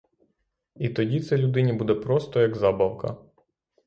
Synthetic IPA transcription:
it̪ɔdʲit̪sɛlʲʊd̪ɪnʲibud̪ɛpɾɔst̪ɔjɐɡzɑbɐwkɐ̰

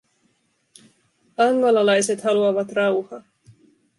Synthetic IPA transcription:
ɑŋɡɑlɑlɑjse̞t̪hɑluɑʋɑt̪rɑwhɑ

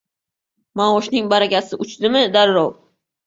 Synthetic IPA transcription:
maɒʃnɪŋbaɾakʲasɪʔʊt͡ʃd̪ɪmɪd̪aɾɾɒw

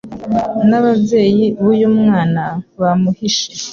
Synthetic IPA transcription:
naβabje̞ːjiβujumŋaːnaβamuhiʃe

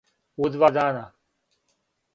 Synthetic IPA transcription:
ud̪ʋad̪aːnaː

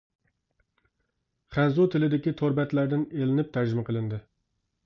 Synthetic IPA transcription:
χænzut̪ʰɪlɪd̪ɪkʲit̪ʰoɾbɛt̪læɾd̪ɪnelɪnɪp̚t̪ʰæɾd͡ʒɪmɛqʰəlˠɨnd̪ɪ

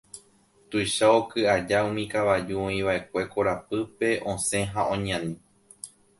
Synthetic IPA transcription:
t̪ujʃaokɨad͡ʒaũmĩkaʋad͡ʒuõĩʋaʔe̞kʷe̞ko̞ɾapɨpe̞ʔõsẽ̞ɦaʔõɲãnĩ

